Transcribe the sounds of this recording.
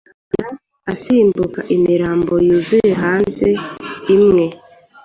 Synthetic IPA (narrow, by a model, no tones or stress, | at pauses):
ɡa | asiːmbukaʔimiɾaːmbo̞juzuje̞ɦaːnze̞imŋe̞